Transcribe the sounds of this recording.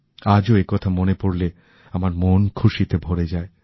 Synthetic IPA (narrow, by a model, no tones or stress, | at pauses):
ad͡ʑoekɔt̪ʰamonepoɽle | amaɾmonkʰuʃit̪ebʱoɾed͡ʑae